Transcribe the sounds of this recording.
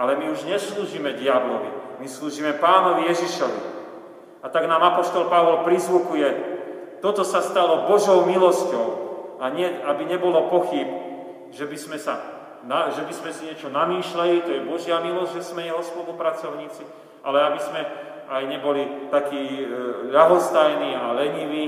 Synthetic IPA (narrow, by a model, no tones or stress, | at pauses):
alɛmiuʒɲɛsluːʒimɛɟɪablɔʋḭmisluːʒiːmɛpaːnɔʋijɛʒiʃɔʋḭ | at̪aɡnaːmapɔʃt̪ɔlpaʋɔlpɾizʋukujɛt̪ɔt̪ɔsast̪alɔbɔʒɔʊmilɔscɔʊaɲɪɛabiɲɛbɔlɔpɔxib | ʒɛbizmɛsa | naʒɛbizmɛsiɲɛt͡ʃɔnamiːʃlalit̪ɔjɛbɔʒɪamilɔzɟʲʒɛzmɛjɛɦɔspɔlupɾat͡sɔʊɲiːt͡si | ʔalɛabizmɛ | ajɲɛbɔlit̪akiːʎaɦɔst̪ajniːalɛɲiʋiː